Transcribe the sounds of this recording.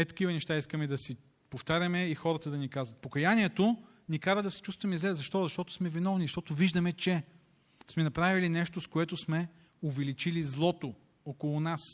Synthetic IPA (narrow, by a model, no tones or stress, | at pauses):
ɛt̪ɐ̥kivɐnɛʃt̪aiskəmɛd̪ɐsi | poft̪aɾʲɐmɛixɔɾət̪əd̪ɐnikazvɐt̪̚pokɐjanʲiɛt̪o | nikaɾəd̪ɐsɛ̥t͡ʃust̪vɐmizlɛzɐʃt̪ɔzɐʃt̪ɔt̪ʊ̥smɛvinɔvniʃt̪ɔt̪ʊviʒd̪ɐmɛt͡ʃɛ | smɛnɐpɾavilinɛʃt̪oskoɛt̪ʊsmɛ | ovɛlit͡ʃilizlˠɔt̪o | okolˠʊnas